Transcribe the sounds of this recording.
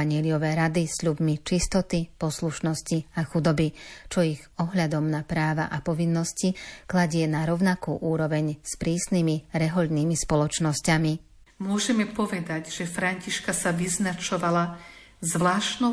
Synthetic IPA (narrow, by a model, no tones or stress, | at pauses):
aɲɪɛliɔʋɛːɾad̪isʎubmit͡ʃist̪ɔt̪ipɔsluʃnɔsciaxud̪ɔbit͡ʃɔiɣɔɦʎad̪ɔmnapɾaːʋa̰ʔapɔʋinːɔsciklaɟɪɛnaɾɔʊnakṵːʔuːɾɔʋɛɲspɾiːsnimiɾɛɦɔʎniːmispɔlɔt͡ʃnɔscami | mʊɔʒɛmɛpɔʋɛd̪aɟʒɛfɾaɲciʃkasaʋiznat͡ʃɔʋala | zʋlaːʃnɔ